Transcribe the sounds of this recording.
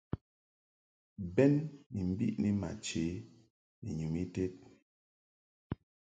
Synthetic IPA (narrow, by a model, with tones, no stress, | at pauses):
bɛ˦nːi˨m̩˨bḭ˦ʔni˦ma̰˨t͡ʃe˨˦ | ni˨ɲu˨mi˦te˦t̚